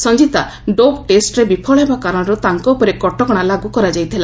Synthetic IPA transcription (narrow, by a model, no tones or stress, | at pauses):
sɔnd͡ʒit̪a | ɖobʈesʈɾebipʰɔɭɔɦebakaɾɔɽ̃ɔɾut̪aŋkɔupɔɾekɔʈɔɡɔɽ̃alaɡukɔɾad͡ʒajt̪ʰila